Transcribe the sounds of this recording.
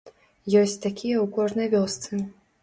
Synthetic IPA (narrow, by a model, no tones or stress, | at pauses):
jɔsʲt͡sʲt̪akʲijɐwkɔʐnɐjvʲɔst̪sɨ